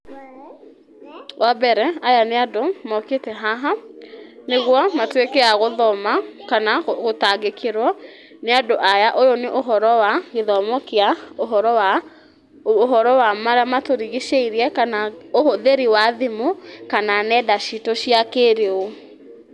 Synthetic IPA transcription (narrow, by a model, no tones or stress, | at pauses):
wabɛɾɛajaneadomɔketɛɦaɦa | neɣwɔmatwekeaɣoðɔmakanaɣotaɡekeɾwɔ | neadoʔajaʔojoneʔoɦɔɾɔwaɣeðɔmɔkeaoɦɔɾɔa | oɦɔɾɔwamaɾamatoɾiɣiʃeiɾiɛkanaohoðeɾiwaðemokananɛdaʃitoʃiakeɾeo